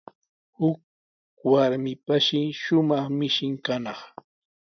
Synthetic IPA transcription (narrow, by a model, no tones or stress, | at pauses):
hʊk̚ | waɾmɪpaʃɪʃʊmɑχmɪʃɪŋkanɑχ